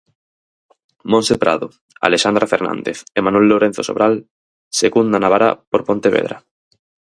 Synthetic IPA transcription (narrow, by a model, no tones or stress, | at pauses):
mõnsepɾaðo | a̰leʃand̪ɾafeɾnã̰nd̪eθemanwelːoɾen̟θoso̰βɾal | seɣund̪anaβaɾa̰poɾpont̪eβḛðɾa̰